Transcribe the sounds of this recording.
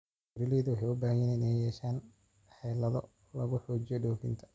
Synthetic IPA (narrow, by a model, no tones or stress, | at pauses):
ɾɪlɛːðɐwɑħɑjʊbaːhjɪnɪnɛjɛːʃaːn | ħɛːlɐðɔ̰ | lɐɣʊħɔːt͡ʃɪjɔɖɔːfɪ̰nt̪ʰɐ̥